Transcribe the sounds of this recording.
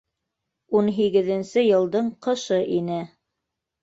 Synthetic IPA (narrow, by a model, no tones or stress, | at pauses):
unɦiɡɘ̆ðɘ̆nsɘjɤ̆lˠd̪ɤɴqɤ̆ʃɤʔinɘ